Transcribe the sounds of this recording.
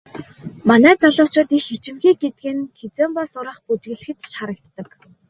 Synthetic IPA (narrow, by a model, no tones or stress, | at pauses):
manæːt͡saɮʊːt͡ɕʊːt̪ixet͡ɕɪ̆mxiːɡet̪̚ɡɘ̆nxʰet͡seːmpasʊɾə̆χput͡ɕɡ̆ɘ̆ɮɘ̆xɘ̆t͡ɕt͡ɕχaɾə̆k̚t̪ːə̆k